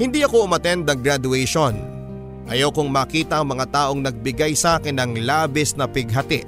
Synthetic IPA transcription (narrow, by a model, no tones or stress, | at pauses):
hɪnd̪iɐko̞ʔʊmɐt̪ɛnd̪ɐŋɡɾad̪ʊɛjʃon | ʔɐjawkʊŋmaːkiːt̪ɐʔɐŋmɐŋat̪aːʔo̞ŋnɐɡ̚bɪɡajsɐʔaːkɪnɐŋlaːbɪsnɐpɪɡ̚ɦɐt̪ɪʔ